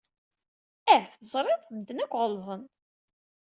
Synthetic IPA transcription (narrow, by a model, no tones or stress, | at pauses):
æθəzˤɾˤeðˤmd̪ənækʷːʁəlðˤən